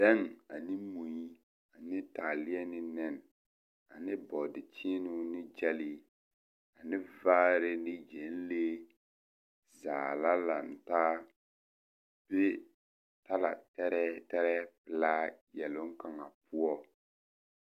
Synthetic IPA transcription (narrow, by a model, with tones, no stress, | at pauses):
dɛ˦ŋa˨nɪ˦mo˨i˦ | a˨nɪ˦taː˨lɪ˦ɛ˦nɪ˦nɛ˨n˨ | a˨nɪ˦bɔ˨dɪ˨t͡ʃɪ˦nʊ˦nɪ˦d͡ʒɛ˦liː˦ | a˨nɪ˦vaː˦ɾɪ˦nɪ˦d͡ʒɛ˨n˦leː˦ | zaː˨la˦la˨n̩˨taː˦ | b̥e˦ | ta˦la̰˨tɛ˦ɾɛ˦tɛ˦ɾɛ˦pɪ˨la˦jɛ˨lʊ˦ŋ˦ka˨ŋa˨pʰʊ˦ɔ˦